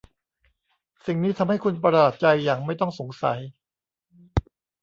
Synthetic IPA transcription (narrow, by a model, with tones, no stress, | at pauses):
si˨˩ŋniː˦˥t̪ʰa˧mha˥˩jkʰu˧npɾa˧aː˨˩t̪̚t͡ɕa˧jːaː˨˩ŋma˥˩jt̪ɔ˥˩ŋso˩˦ŋsa̰˩˦j